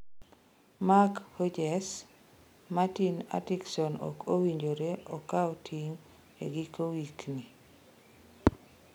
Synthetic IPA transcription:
makhod͡ʒɛs | matina̰tiksɔnɔ̰kowiɲd͡ʒoɾeɔkaotʰiŋ | ḛɡikowikni

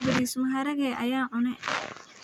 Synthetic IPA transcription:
bɐɾiːsʊmɦɐɾɐɣɛːʔɐjaːʕʊnɛ

